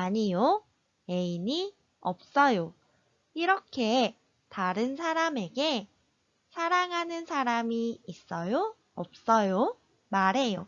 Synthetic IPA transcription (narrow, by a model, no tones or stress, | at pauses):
aɲijo | eini | ʌp̚s͈ʌjo | iɾʌkʰe̞ | taɾɯnsʰaɾame̞ɡe̞ | sʰaɾaŋɦanɯnsʰaɾamiːs͈ʌjo | ʌp̚s͈ʌjo | maɾɦe̞jo̰